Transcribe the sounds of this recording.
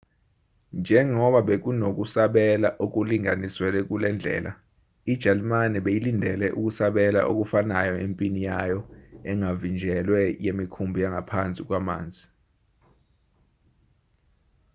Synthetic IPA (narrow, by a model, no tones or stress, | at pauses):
nd͡ʒʱɛŋɔɓaɓek̬unok̬ʼusaɓɛlaʔok̬uliŋaniswɛlɛk̬ulɛnd͡ɮʱɛ̰ːla | id̥ʒ̥ʱalimanɛɓejilindʱɛlɛʔuk̬ʼusaɓɛla̰ʔo̰k̬ufanajɔempʼinijajɔɛŋavind͡ʒʱɛlwɛjemikʰumbʱijaŋapʰant͡sʼik̬ʼwama̰ːnd͡zʱi